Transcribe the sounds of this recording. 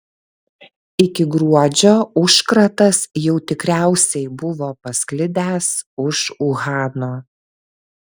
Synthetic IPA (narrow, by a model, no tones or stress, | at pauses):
ɪkʲɪɡɾuɔd͡ʒʲoːʊʃkɾɐt̪ɐsjɛʊt̪ʲɪkɾʲæˑʊsʲɛɪbʊʋoːpɐsʲklʲɪd̪ʲæːsʊʃʊɣɑːnoː